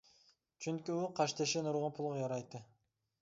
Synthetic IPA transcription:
t͡ʃʰynkʲyuqʰɑʃt̪eʃenuɾʁonpʰulˠʁɑjɑɾɑjt̪ːɯ

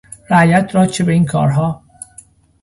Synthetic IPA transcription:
ɾæjæt̪ʰɾɒːt͡ʃebeiːnkʰɒ̰ːɾɦɒː

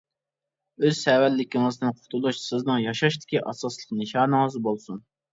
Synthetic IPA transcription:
øz̥sɛwɛlːɪkʲiŋɨzd̪ɪnqʰʊt̪ʰulˠuʃsɪznɨŋjɑʃɑʃt̪ɪ̥kʲiʔɑsɑslˠəqnɨʃɑːnɨŋəzbolˠsun

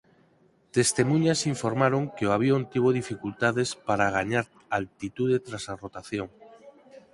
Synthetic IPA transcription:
t̪est̪emũɲasiɱfoɾmaɾoŋkeoaβ̞jont̪iβ̞oðifikult̪aðespaɾaɣaɲaɾ | alt̪it̪uðet̪ɾasarot̪aθjoŋ

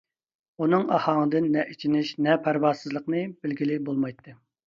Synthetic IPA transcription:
unɨŋɑ̰hɑŋəd̪ɨnːɛʔit͡ʃʰinɪʃnɛpʰæɾwɑɾsɨzlˠəqnɨbɪlɡʲilɪbolˠmɑjt̪ʰːɨ

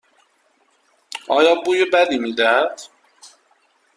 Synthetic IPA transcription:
ʔɒːjɒːbuːjebæd̪iːmiːd̪æhæd̪̥

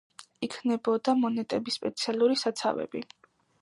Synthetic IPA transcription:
ikʰnɛbɔd̪amɔnɛt̪ʼɛbispʼɛt̪sʰialˠuɾisat̪sʰa̰vɛ̰bi

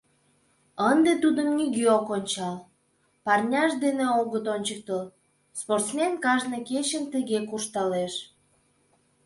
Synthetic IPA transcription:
ənd̪et̪ud̪ənniɣiokonʲt͡ɕɑl | pɑrnʲɑʃd̪eneoɣət̪onʲt͡ɕək̚t̪əl | sport̪smenkɑʒneket͡ɕənt̪əɣekuʃt̪ɑleʃ

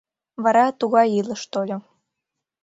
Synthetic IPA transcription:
βɑɾɑt̪uɣɑjilə̆ʃt̪olʲŏ

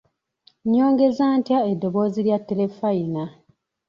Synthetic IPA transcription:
ɲːo̞ːŋɡe̞zaːntjaedːo̞βo̞ːziɾjatːele̞faina

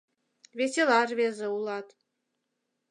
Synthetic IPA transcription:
vesʲelɑrvezə̆ulˠɑt̪

